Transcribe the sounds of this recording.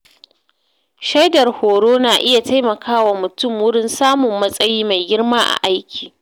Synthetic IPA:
ʃa˦jdɐ˨rhoː˨ɽoː˦naː˨ʔɪ˦ja˨ta˦jmɐ˨kaː˦waː˨mʊ˨tʊ˦˨mwʊ˦ɽɪ˦nsaː˦mʊ˨mːɐ˦sʼɐ˦jiː˦ma˨jɡʲɪ˦rmaː˦ʔa̰˨ʔa˦jkʲiː˨

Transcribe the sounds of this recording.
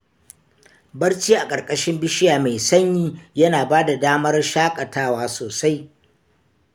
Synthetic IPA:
bɐ˦rt͡ʃiː˦ʔa˨kʼɐ˨rkʼɐ˦ʃɪ˦mbɪ˦ʃɪ˦jaː˨ma˨jsɐ˦ɲjiː˦jɐ˦naː˨baː˦da˨daː˦mɐ˦rʃaː˦kʼɐ˨taː˦waː˦soː˨sa˦j

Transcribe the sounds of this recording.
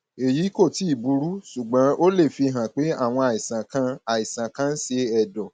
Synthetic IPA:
e˨ji˨˦ko˦˨ti˨˦i˦˨bu˨˦ɾu˦ʃu˨ɡ͡bã˨˦ʔo˦le˦˨fi˧ɦã˨k͡pe˨˦a̰˦˨w̃ɔ̃˧a˨i˨sã˨kã˦a˨i˨sã˨kã˦n̩˦se˧ɛ˨dɔ˨

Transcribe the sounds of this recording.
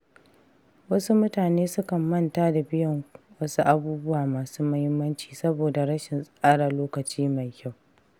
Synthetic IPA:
wɐ˦su˦mʊ˦taː˨neː˦sʊ˦kɐ˨mːɐ˦˨ntaː˦da˨bɪ˦jɔ˦ŋ | wɐ˦su˦ʔa˦buː˦bʊ˦waː˨maː˨suː˦mɐ˦hɪ˦mːɐ˦nt͡ʃi̥ː˨sɐ˦boː˨da˨ɽɐ˦ʃɪ˨nsʼʔaː˦ɽa˨loː˦kɐ˨t͡ʃiː˦ma˨jkʲa˦˨w

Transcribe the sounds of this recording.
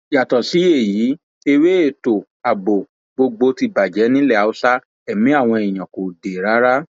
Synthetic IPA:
ja˨tɔ˨si˨˦e˦˨jiː˨˦ | e˧we˦e˦˨to˨ | a˨bo˨ | ɡ͡bo˧ɡ͡bo˧ti˧ba˨d͡ʒɛ˨˦nĩ˦lɛ˦˨a˨o˧sa˦ | ɛ˨mĩ˨˦a˦˨w̃ɔ̃˧i˨j̃ã˨ko˨de˨ɾa˨˦ɾa˦

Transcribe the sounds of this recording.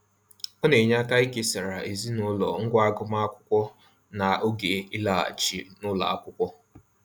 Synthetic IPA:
o˦ne˨ɲa˦ka˦i˦ke˦sa˨ɾa˨ʔe˨zi˦nʊ˦lɔ˨ŋ̩˦ɡʷa˦a˦ɡʊ˦ma˦a˦kʷʊ˦kʷɔ˦ | na˨ʔo˦ɡe˨i˦la˦a̰˨t͡ʃi˨nʊ˦la̰˨a̰˦kʷʊ˦kʷɔ˦

